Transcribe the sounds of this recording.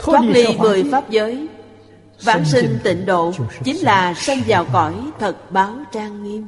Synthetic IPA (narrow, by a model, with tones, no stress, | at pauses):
aː˦˥k̚li˧vɨ˨˩əjfaː˦˥p̚zəː˨˦j | vaː˧˩nsï˧ŋ̟t̪ḭ˧˩ŋ̟ɗo̰˧˨t͡ɕi˨˦ŋ̟laː˨˩sə˧nzaː˨˩wkɔ˧˩jt̪ʰə˨˩t̚ɓaː˨˦wt͡ɕaː˧ŋŋi˧əm